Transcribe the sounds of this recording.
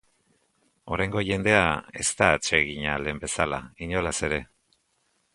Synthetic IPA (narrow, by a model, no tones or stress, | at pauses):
o̞ɾajŋɡo̞ʝe̞nd̪e̞ae̞̰st̪aːt͡ʃe̞ɣiɲale̞mbe̞sala̰iɲo̞lase̞ɾe̞